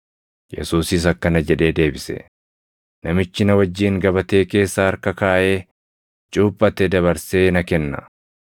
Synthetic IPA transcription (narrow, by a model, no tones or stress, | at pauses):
jɛ̰suːsɪs̬ɐkːɐnɐd͡ʒɛᶑe̞ːd̪e̞ːbɪsɛ̰ | nɐmɪt͡ʃːɪnɐwɐd͡ʒːiːŋɡɐβɐt̪e̞ːke̞ːsːaːɐɾkɐkaːʔe̞ː | t͡ʃʼuːpʼːɐt̪ɛd̪ɐβɐɾse̞ːnɐkɛnːɐ̰